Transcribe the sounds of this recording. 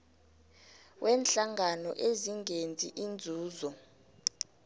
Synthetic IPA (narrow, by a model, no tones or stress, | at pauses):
wʔɛːnɬaŋanɔʔeziŋend͡zʱiʔind͡zʱuːzɔ